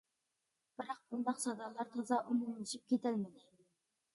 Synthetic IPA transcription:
b̥ɪɾɑq̚bund̪ɑqsɑd̪ɑlˠːɑɾt̪ʰɑzɑʔumumlɪʃip̚kʲʰet̪ʰælmɪd̪ɪ

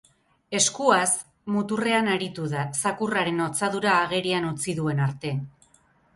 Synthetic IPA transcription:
e̞skuas | mut̪ure̞anaɾit̪uðasakuraɾe̞not͡saðuɾaːɣ̞e̞ɾianut͡siðue̞naɾt̪e̞

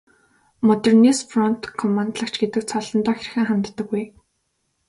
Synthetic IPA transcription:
mɔt̪ernisfrɔn̥t̪kʰːɔmant̪ɮə̆kt͡ɕʰɡet̪ɘ̆k̚t͡sʰɔɮɞ̆nt̪ɔːxer̆xɘ̆ŋχamt̪ːə̆kːuj

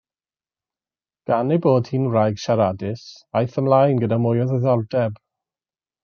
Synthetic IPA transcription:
ɡ̥anejboːd̥hiːnrajɡʃaɾadɪsajθəmlajnɡədamʊjɔðəðɔldɛb

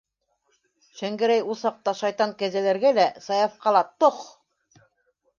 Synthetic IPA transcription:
ʃæŋɡɘ̆ɾæjulˠsɑq̚t̪ɑʃɑjt̪ɑŋkæzælæɾɡælæsɑjɑfqɑlˠɑt̪oq

